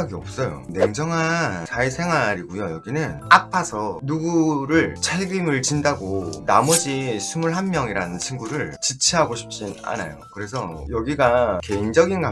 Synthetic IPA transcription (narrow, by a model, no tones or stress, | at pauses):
aɡiʌp̚s͈ʌjo̰ne̞ŋd͡ʑʌŋɦant͡ɕaisʰe̞ŋwaɾiɡujojʌɡinɯnapʰasʰʌnuɡuɾɯɭt͡ɕʰaɭɡimɯɭt͡ɕindaɡonamʌd͡ʑisʰumuɭɦanmjʌŋiɾanɯnt͡ɕʰiŋɡuɾɯɭt͡ɕit͡ɕʰiɦaɡoɕʰi̥p̚t͡ɕ͈ina̰na̰jo̰kɯɾe̞sʰʌjʌɡiɡake̞ind͡ʑʌɡinɡa